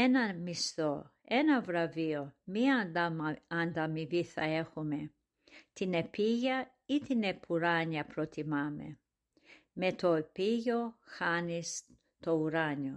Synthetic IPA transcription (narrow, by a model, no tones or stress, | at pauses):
enɐmist̪o | enɐvɾɐviomia | and̪amiviθɐexume | t̪inepiʝɐ | it̪inepʰuɾaɲɐpɾot̪ʰimamḛ | met̪ʰopijoxanis | t̪ouɾaɲo